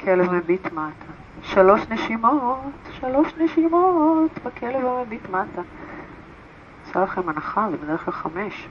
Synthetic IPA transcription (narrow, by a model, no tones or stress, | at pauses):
kʰelevmebitmatʰa | ʃalo̞ʃneʃimotʃalo̞ʃneʃimotbakʰelevamebitmata | asalaχemanaχavebed̪eʁxklalχameʃ